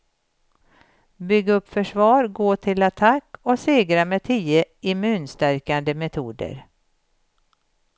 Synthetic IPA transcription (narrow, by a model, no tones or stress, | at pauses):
bʏɡːaɵpːfœʂvɑːɾɡoːʈʰɪlat̪ʰakːɔseːɡɾamɛt̪ʰiːəɪmʉ̟ːnst̪æɾkand̪əmɛt̪ʰuːd̪ə̰ɾ